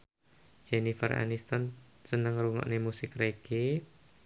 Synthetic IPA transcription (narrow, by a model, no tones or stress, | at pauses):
d͡ʒenifəra̰nist̪ɔnsənəŋruŋɔ̰ʔnemusɪkreɡ̥e